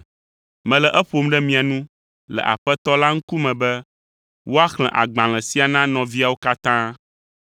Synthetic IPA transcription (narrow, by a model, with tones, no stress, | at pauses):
mɛ̃˨lɛ˨ʔɛ˦ɸo˨mɖɛ˦mĩ˨a˨nũ˦ | lɛ̰˨ʔa̰˨ɸɛ˦t̪ɔ˦la˦ŋ̩˦ku˦mɛ̃˨bɛ˦ | wʔo˦a˦xl̃ɛ̃˨ʔa˨ɡ͡bã˨l̃ɛ̃˨si˦a˨nã˦nɔ̃˨vi˦a˨wo˦ka˦t̪ã˦